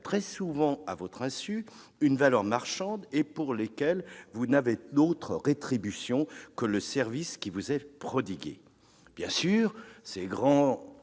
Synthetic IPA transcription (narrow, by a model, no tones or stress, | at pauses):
t̪χɛsuvɑ̃a̰vɔt̪χɛ̃sy | ynvalœʁmaʁʃɑ̃d̪epuʁlekʲɛlvunaved̪ot̪χəʁet̪χibysjɔ̃kələsɛʁviskʲivuzɛpχɔd̪iɡʲḛ | b̥jɛ̃syːʁsɛɡʁɑ̃